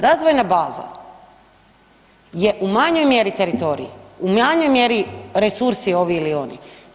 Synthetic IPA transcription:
ɾaːzʋojnabaːza̰ | je̞ʔumaɲo̞jmje̞ɾit̪e̞ɾit̪o̞ɾḭjiumaɲo̞jmje̞ɾiɾesuɾsio̞ʋiilio̞nḭ

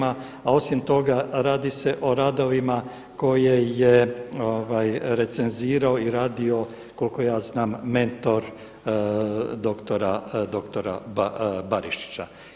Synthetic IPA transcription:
a | ao̞simt̪o̞ɡaɾaːd̪ise̞ʔo̞ɾaːd̪o̞ʋima | ko̞je̞jeoʋajɾe̞t̪se̞nziːɾaoiɾaːd̪io̞ | ko̞lko̞jaːznaːmːe̞nt̪o̞ɾ | d̪o̞kt̪o̞ɾad̪o̞kt̪oɾa̰ | baɾiʃi̥t͡ɕa

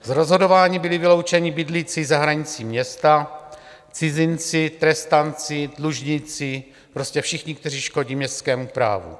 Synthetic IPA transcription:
zɾozɦo̞do̞vaːɲibɪlɪvɪlo̞wt͡ʃɛɲibɪdlit͡sizaɦɾaɲɪt͡siːmɲɛst̪a | t͡sɪzɪnt͡sɪt̪ɾɛst̪ant͡sɪdluʒɲɪt͡sɪ | pɾo̞scɛfʃɪxɲɪk̚t̪ɛr̝iːʃko̞ɟiːmɲɛst̪skɛːmupɾa̰ːvṵ

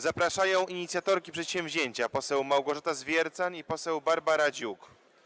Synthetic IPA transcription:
zapɾaʂajɔ̃w̃iɲit̪sʲjat̪ɔɾkʲipʂɛt̪ɕɛ̃w̃vʲʑeɲt͡ɕapɔsɛwmawɡɔʐat̪azvʲjɛɾt̪sanipɔsɛwbaɾbaɾad͡ʑuk

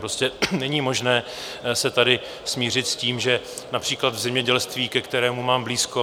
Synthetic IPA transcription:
pɾoscɛnɛɲiːmo̞ʒnɛː | sɛt̪adɪ | smiːr̝ɪt̪sciːmʒɛ | napr̥iːklad̪vzɛmɲɛɟɛlst̪viːkɛkt̪ɛɾɛːmumaːmbliːsko

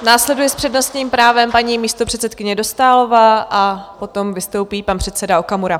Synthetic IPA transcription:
naːslɛdujɛspr̝̥ɛdno̞st̪ɲiːmpɾaːvɛmpaɲiːmiːst̪o̞pr̝̥ɛt̪sɛt̪̚kɪɲɛdo̞st̪aːlo̞vaːʔapo̞t̪o̞mvɪst̪o̞wpiːpanpr̥ɛt̪sɛdaokamuɾa

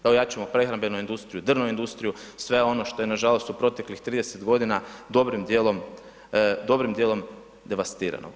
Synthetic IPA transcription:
d̪̥aojat͡ʃuemopɾe̞xɾambe̞nuind̪ust̪ɾijud̪r̩noind̪ust̪ɾijusʋeo̞no̞ʃt̪o̞jenaʒalo̞st̪upɾo̞t̪e̞klixt̪ɾiːd̪e̞set̪ɡo̞d̪inad̪o̞bɾimd̪jelo̞m | d̪o̞bɾimd̪je̞lˠo̞m | d̪e̞ʋast̪iːɾa̰no̰

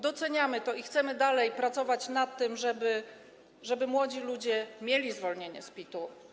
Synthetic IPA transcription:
d̪ɔt̪sɛɲamɘt̪ɔixt̪sɛmɘd̪alɛjpɾat̪sɔvat͡ɕnat̪ːɘmʐɛbɘ | ʐɛbɘmwɔd͡ʑilud͡ʑɛmʲjelʲizvɔlɲeɲɛ̰spʲit̪u

